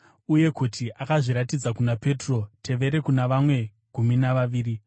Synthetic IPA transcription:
uje̞kutʰiʔakaʐiɾatid͡zakunape̞tro̞tʰe̞ʋe̞ɾe̞kunaʋamwe̞ | ɡ̥ʱuminaʋaʋiːri

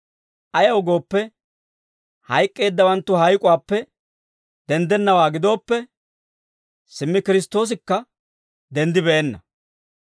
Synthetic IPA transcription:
ʔɐjɐwʊɡo̞ːpːɛ | hɐjkʼːe̞ːd̪ːɐwɐnt̪ːʊɦɐjkʼʊwaːpːɛ | d̪ɛnd̪ɛnːɐwaːɡɪd̪o̞ːpːɛ | sɪmːɪkɪɾɪst̪o̞ːs̬ɪkːɐ | d̪ɛnd̪ɪbɛʔenːɐ

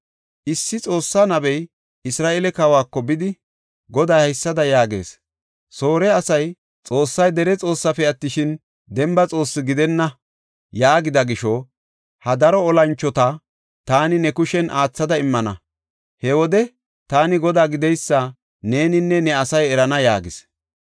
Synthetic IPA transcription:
ʔɪsːɪt͡sʼo̞ːsːanɐbɛj | ɪsɾaːʔɛlɛkɐwaːkːɔbɪd̪ɪ | ɡɔd̪aːhɐjsːɐd̪ɐjaːɡe̞̰ːs | so̞ːɾɛɐsɐj | t͡sʼo̞ːsːɐjd̪ɛɾɛt͡sʼo̞ːsːɐfɛɐt̪ːɪʃɪn | d̪ɛmbɐt͡sʼo̞ːsːɪɡɪd̪ɛnːɐ | jaːɡɪd̪ɐɡɪʃɔ | hɐd̪ɐɾɔːlɐnt͡ʃːɔt̪ɐ | t̪aːnɪnɛkʊʃɛnʔaːt͡sːɐd̪ɐɪmːɐnɐ̰ | hɛwɔd̪ɛ | t̪aːnɪɡɔd̪aːɡɪd̪ɛjsːa | ne̞ːnɪnːɛnɛɐsɐjɛɾɐnɐjaːɡɪs

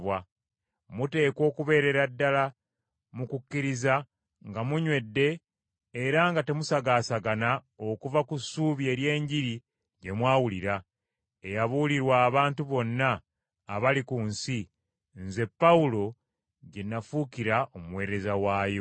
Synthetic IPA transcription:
βwa | mute̞ːkwo̞ːkuβe̞ːɾe̞ɾadːala | mukukːiɾiza | ŋɡamuɲwe̞dːe̞ː | ɾaŋɡate̞musaɡaːsaɡana | o̞kuvakusːuːβjie̞ːɾje̞ːɲɟiɾi | ɟe̞mwaːwuliɾa | e̞jaβuliɾwaːβaːntuβo̞nːaː | βalikunsi | nze̞pːaulo̞ | ɟe̞nːafukiɾaʔo̞muwe̞ːɾe̞zawaːjo̞

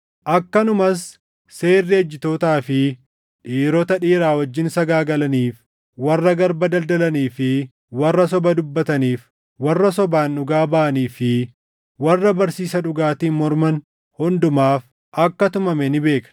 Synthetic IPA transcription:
ʔɐkːɐnʊmɐsː | e̞ːrːɪɛd͡ʒːɪt̪oːt̪aːfɪ | ᶑiːɾɔt̪ɐᶑiːɾaːwɐd͡ʒːɪnsɐɡaːɡɐlɐniːf | wɐrːɐɡɐɾbɐd̪ɐld̪ɐlɐniːfɪ | wɐrːɐs̬ɔbɐd̪ʊbːɐt̪ɐniːf | wɐrːɐsɔbaːnᶑʊɡaːbɐʔɐniːfɪ | wɐrːɐbɐɾsiːsɐᶑʊɡaːt̪iːnmɔɾmɐn | hʊnd̪ʊmaːf | ʔɐkːɐt̪ʊmɐmɛnɪbe̞ːkɐ̥

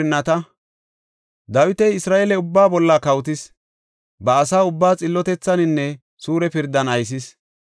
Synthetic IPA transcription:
ɪnːɐt̪ɐ | d̪ɐwɪt̪ɛjɪsɾaːʔɛlɛʊbːaːbɔlːɐkɐwt̪̬ɪs | bɐːsaːʊbːaːt͡sʼɪlːɔt̪ɛt͡sːɐnɪnːɛ | suːɾɛpɪɾd̪ːɐnɐjs̬ɪs

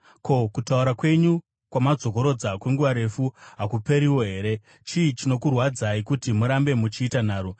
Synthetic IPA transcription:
kʰo̞kutauɾakwe̞ɲu | kwamad͡zo̞ko̞ɾo̞d͡zakwe̞ŋɡuʋaɾe̞fuɦakupe̞ɾiwo̞ɦe̞ːɾe̞ | t͡ʃiːt͡ʃino̞kurwad͡zaikutimuɾambe̞mut͡ʃiːtan̤aːɾo

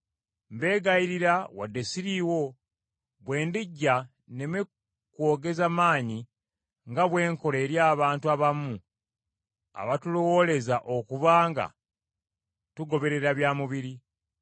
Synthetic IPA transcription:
mbe̞ːɡaiɾiɾawa̰dːe̞siɾiːwo̞ | βwe̞ːndiɟːa | ne̞me | kwo̞ːɡe̞zamaːɲi | ŋɡaβwe̞ːŋko̞le̞ːɾjaːβaːntuaβamu | a̰βatulowo̞le̞zaʔo̞kuβaːŋɡa̰ | tuɡo̞βe̞ɾe̞ɾaβjaːmuβiɾi

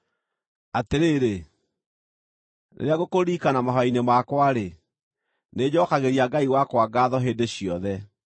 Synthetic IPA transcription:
ateɾeːɾe | nʔḛɾeaɣokoɾiːkanamaɦɔainemakwaɾe | ned͡ʑɔːkaɣeɾiaɡaiwakwaɡaːðɔɦeːdeɕijɔðɛ

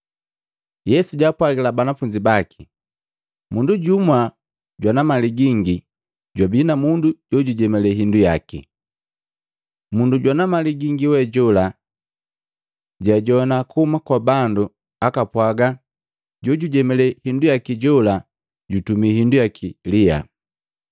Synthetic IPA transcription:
jɛsuɟapwaɡilabanafuɲd͡ʒibakʰi̥ | munduɟumwa | ɟwanamaliɡiŋɡi | ɟwabinamunduɟɔɟuɟɛmɛlɛɦinduja̰kḭ | munduɟwanamaliɡiŋɡiwɛɟɔla | ɟaɟɔnakuhumakwabandu | akapwaɡa | ɟɔɟuɟɛmɛlɛhindujakiɟɔla | ɟutumiɦindujakʰilia̰

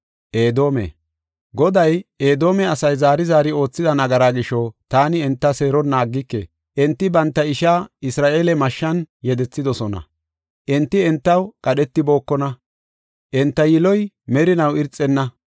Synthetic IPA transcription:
ʔeːd̪o̞ːmɛ̰ | ɡɔd̪ɐjʔeːd̪o̞ːmɛɐsɐjzaːɾɪzaːɾɪo̞ːt͡sːɪd̪ɐnɐɡɐɾaːɡɪʃɔt̪aːnɪɛnt̪ːɐse̞ːɾɔnːaːɡːɪkːḛ | ʔɛnt̪ːɪbɐnt̪ːɐɪʃaːɪsɾaːʔe̞ːlɛmɐʃːɐnjɛd̪ɛt͡sːɪd̪ɔsɔnɐ̰ | ʔɛnt̪ːɪɛnt̪ːɐwkʼɐɗɛt̪ːɪbo̞ːkːɔnɐ | ʔɛnt̪ːɐjɪlɔj | mɛɾɪnɐwɪɾt͡sʼːɛnːɐ

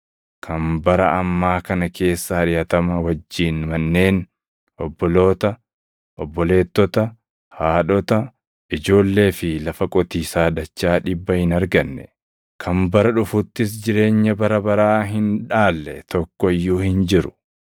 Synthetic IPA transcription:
kʰɐmbɐɾɐʔɐmːaːkɐnɐkʰe̞ːsːɐɐᶑɪjɐt̪ɐmɐwɐd͡ʒːiːnmɐnːe̞ːn | ɔbːɔlo̞ːt̪ɐ | ʔɔbːɔle̞ːt̪ːɔt̪ɐ | haːᶑɔt̪ɐ | ʔɪd͡ʒo̞ːlːe̞ːfɪlɐfɐkʼɔt̪iːsaːd̪ɐt͡ʃːaːᶑɪbːɐhɪnɐɾɡɐnːɛ̰ | kʰɐmbɐɾɐᶑʊfʊt̪ːɪs̬d͡ʒɪɾe̞ːɲːɐbɐɾɐbɐɾaːɦɪnᶑaːlːɛt̪ɔkːɔɪjːuːhɪnd͡ʒɪɾʊ̥

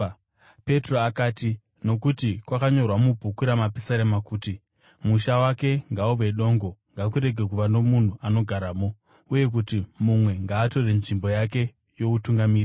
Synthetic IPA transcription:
pe̞tro̞akaːti | no̞kutikwakaɲo̞rwamubʱukuɾamapisaɾemakuːti | muʃawake̞ŋɡauʋe̞ɗo̞ːŋɡo̞ŋɡakuɾe̞ɡʱe̞kuʋano̞mun̤uano̞ɡʱaɾaːmo̞ | uje̞k̬utimumwe̞ŋɡaːto̞renʐimbo̞jake̞ | jo̞utuŋɡamiːr

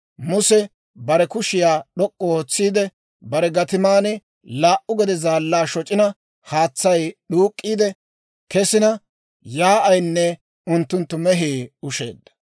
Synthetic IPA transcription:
mʊsɛ | bɐɾɛkʊʃɪjaːɗɔkʼːɔoːt͡sːiːd̪ɛ | bɐɾɛɡɐt̪ɪmaːnɪ | laːʔʊɡɛd̪ɛzaːlːaːʃɔt͡ʃʼːɪnɐ | haːt͡sːɐjɗuːkʼːiːd̪ɛ | kɛsɪnɐ | jaːʔɐjnːɛ | ʊnt̪ːʊnt̪ːʊmɛɦiːʊʃḛːd̪ːɐ̥

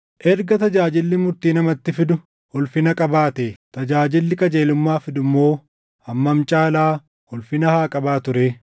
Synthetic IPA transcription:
ʔɛɾɡɐt̪ɐd͡ʒaːd͡ʒɪlːɪmʊɾt̪iːnɐmɐt̪ːɪfɪd̪ʊ | hɔlfɪnɐkʼɐbaːt̪et̪ɐd͡ʒaːd͡ʒɪlːɪkʼɐd͡ʒeːlʊmːaːfɪd̪ʊmːoː | ʔɐmːɐmt͡ʃʼaːlaː | hɔlfɪnɐhaːkʼɐbaːt̪ʊɾeː

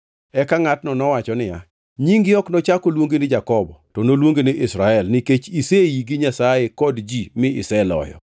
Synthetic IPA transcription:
ɛkaŋatnɔnɔwat͡ʃɔnɪja̰ | ɲiŋɡɪɔknɔt͡ʃakolwoŋɡenɪd͡ʒakɔbɔtɔnolwoŋɡenɪʔɪsɾaɛlnɪket͡ʃisejiɡɪɲasajekɔdd͡ʒimɪɪ̰sɛlɔ̰jɔ̰

